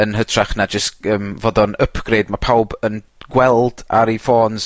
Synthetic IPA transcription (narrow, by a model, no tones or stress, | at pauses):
ənɦətʰraχnad͡ʒəskəːmvoːdɔnəpʰɡ̥reːd̚mapʰawbən | ɡ̥wɛlˠd̥a̰ɾifoːnz̥